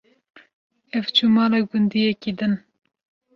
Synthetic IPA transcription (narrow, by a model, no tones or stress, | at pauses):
ɛvt͡ʃʰumɑːlɑːɡʊnd̪iːjɛkid̪ɨn